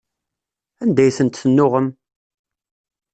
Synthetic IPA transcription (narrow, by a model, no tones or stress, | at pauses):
ænd̪æjθənt̪θənːʊʁəm